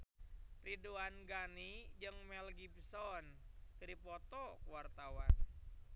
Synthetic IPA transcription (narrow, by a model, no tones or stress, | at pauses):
riduanɡanid͡ʒɨŋmɛlɡibsɔnkəɾipɔt̪ɔkuwart̪awan